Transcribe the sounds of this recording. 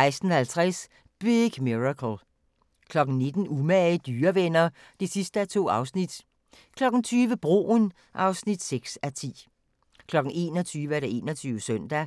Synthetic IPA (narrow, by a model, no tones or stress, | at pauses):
ɑ̈ɪsd̥n̩hælt͡sʰʁas | b̥iɡ̥miʁɑkʰl̩ | kʰlɒ̽ɡ̥n̩ne̝d̥n̩umæd̥yːɐʋenɐ | d̥e̝sisd̥əæt͡sʰo̝̰ːɑ̈ʊsnid̥ | kʰlɒ̽ɡ̥n̩t͡sʰyːʋəb̥ʁo̝̰ːn | ʔɑ̈ʊsnid̥seɡ̥sæt͡sʰḭː | kʰlɒ̽ɡ̥n̩e̝̰ːnɒt͡sʰyːʋəæɐɾ̥ee̝̰ːnɐt͡sʰyːʊəsœn̰d̥æ